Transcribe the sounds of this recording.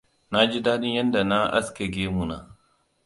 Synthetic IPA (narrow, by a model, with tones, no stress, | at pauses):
na˦d͡ʒi˦daː˦ɗɪ˦ɲjɐ˦nda˨na˦ʔa̰˦skʲe˨ɡʲeː˦mu˨na̰˨